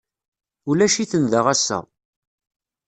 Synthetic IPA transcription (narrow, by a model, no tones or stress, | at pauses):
ulæʃiθənðəʁæsːæ̰